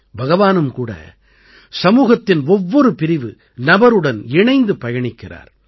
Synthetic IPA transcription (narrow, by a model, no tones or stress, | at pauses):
bʱɐɣɐʋaːnɯmkuːɽɐ̰ | sɐmuːɣɐt̪ːɪnɔʋːɔɾɯpɪɾɪʋɯ | nɐbɐɾɯɽɐnɪɳɐɪnd̪ɯpɐjɐɳɪkːɪra̰ːɾ